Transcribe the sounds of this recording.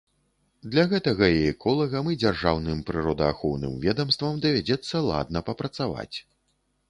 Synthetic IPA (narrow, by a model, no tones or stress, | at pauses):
d̪lʲaɣɛt̪ɐɣɐiɛkʰɔlˠɐɣɐmɨd͡zʲarʐawnɨmpɾɨɾɔd̪ɐaxɔwnɨ̰mvʲɛd̪ɐmst̪vɐmd̪ɐvʲad͡zʲɛt̪sːɐlˠa̰d̪̚nɐpɐpɾɐt̪sava̰t͡sʲ